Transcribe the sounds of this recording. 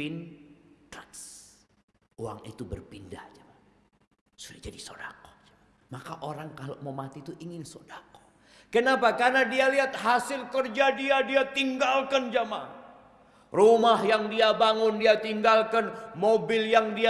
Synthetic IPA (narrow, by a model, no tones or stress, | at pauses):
ɪnkas | oa̰ŋḭt̪ubə̰rpinda̰hd͡ʒama | sudɪd͡ʒadiso̰dako̥d͡ʒḁma | makaʔoɾaŋkaloʔmomat̪iutʔiŋɪnsodako̥ | kənapakarnadialiɦat̪̚ɦasɪlkərd͡ʒadiadiat̪iŋɡalkand͡ʒama | rumahjaŋdiabaŋʊndiat̪iŋɡalkanmobɪljaŋdia